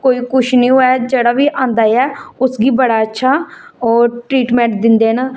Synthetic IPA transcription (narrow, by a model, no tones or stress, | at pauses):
koːiːkʊʃʰnĩːɦoːɛːd͡ʒeːɽaːʋiːʔãːnd̪aːjɛːʊsɡiːbəɽaːətːʃʰaːoːʈɾiːʈmɛ̃ːɳʈd̪ɪnd̪eːnaː